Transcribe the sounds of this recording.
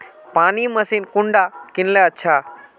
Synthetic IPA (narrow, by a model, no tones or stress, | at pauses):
paːnimɐsiːnkʊ̃ɳɖakɪnleətːʃʰa